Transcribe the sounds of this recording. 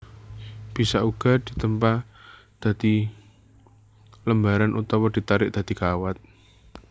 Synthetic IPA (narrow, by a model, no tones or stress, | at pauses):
b̥i̤saʔuɡ̥a̤d̪̥i̤t̪əmpa | d̪̥ä̤d̪̥i | ləmbaɾanʔut̪ɔwɔd̪̥i̤t̪aɾɪʔ̚d̪̥äd̪̥ikawat̪̚